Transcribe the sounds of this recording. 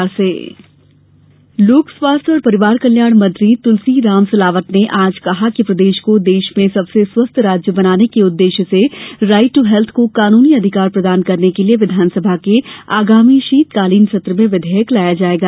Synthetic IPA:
ɾseː | loːkswaːst̪ʰjɔːɾpɐɾɪʋaːɾkɐljaːɽ̃mɐ̃nt̪ɾit̪ʊlsiɾaːmsɐlaːʋət̪neʔaːd͡ʒkɐɦakipɾɐd̪eːʃkod̪eːʃmẽsɐbseswɐst̪ʰɾaːd͡ʒjəbɐnaːnekeʊd̪ːeːʃəseɾaːɪʈːuɦɛlt̪ʰkokaːnuːniɐd̪ʱɪkaːɾpɾɐd̪aːnkɐɾnekelieʋɪd̪ʱaːnsəbʱakeaːɡaːmiʃiːt̪kaːliːnt͡ʃɐt̪ɾəmẽʋɪd̪ʱɛːjəklaːjad͡ʒaːeːɡaː

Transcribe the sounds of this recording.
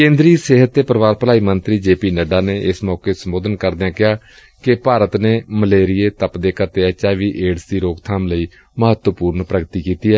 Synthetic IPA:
kẽːnd̪ɾiːseːɦət̪ːeːpəɾəʋaːɾpəlaːiːmənt̪ɾiːd͡ʒeːpiːnəɖaːneːʔɪsmɔːkeːsəmoːd̪ənkəɾd̪eãːkɪɦaː | kɪpaːɾət̪neːməleːɾɪeːt̪əpd̪eːkət̪eːɛːt͡ʃaːʋiːʔeːɽsiːɾoːɡt̪ʰaːmləiː | məɦət̪ʋəpuːɾnpɾəɡət̪iːkiːt̪iːɦɛː

